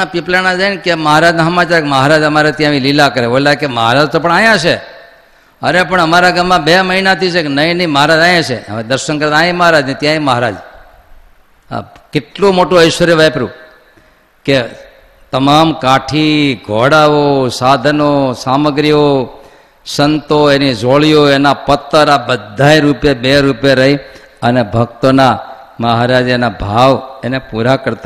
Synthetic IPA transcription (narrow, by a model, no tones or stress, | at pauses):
apiplanad͡ʒainkeməɦaɾad͡ʒnaɦəmat͡ʃaɾekməɦaɾad͡ʒəmaɾet̪jãʋĩlilakəɾebolakeməɦaɾad͡ʒt̪op̬əɳajãt͡ʃʰe | ənepəɳəmaɾaɡamːãbeməɦinat̪it͡ʃʰekenəĩnəĩməɦaɾad͡ʒajãt͡ʃʰḛə̰ʋed̪əɾʃəŋkəɾt̪aẽməɦaɾad͡ʒnit̪jãẽməɦaɾa̰d͡ʒ | a̰kɪʈlomoʈũəjʃʋəɾjoʋajpəɾṵ̃ | ke | t̪əmamkaʈʰiɡʱoɽaʋosad̪ʱənosaməɡɾio | sənt̪oenid͡ʒoɭijoenapət̪ːəɾabəd̪ʱːaeɾupjebeɾupjeɾəɦi | ənebʱək̚t̪ona | məɦaɾad͡ʒenabʱaʋenepuɾakəɾt̪a